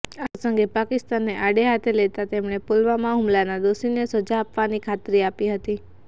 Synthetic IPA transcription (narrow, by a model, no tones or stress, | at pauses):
asəŋɡepakɪst̪anːeʔaɽeɦat̪ʰelet̪at̪emɳepolʋamãɦumlanad̪oʃinesəd͡ʒaːpʋanikʰat̪ɾiapiɦət̪i